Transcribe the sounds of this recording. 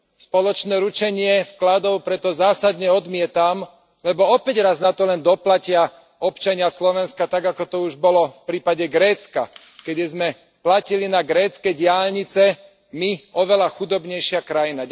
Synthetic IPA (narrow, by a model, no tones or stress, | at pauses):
spɔlɔt͡ʃnɛːɾut͡ʃɛɲɪɛfklad̪ɔʊpɾɛt̪ɔzaːsad̪ɲɛɔd̪mɪɛt̪am | lɛbɔɔpɛɟɾaznat̪ɔlɛnd̪ɔplacɪa | ɔpt͡ʃaɲɪaslɔʋɛnskat̪aɡakɔt̪ɔuʒbɔlɔfpɾiːpaɟɛɡɾɛːt͡ska̰ | kɛd̪izmɛ | placilinaɡɾɛːt͡skɛɟɪalɲit͡sɛ | miɔʋɛlaxud̪ɔbɲɛjʃɪakɾajina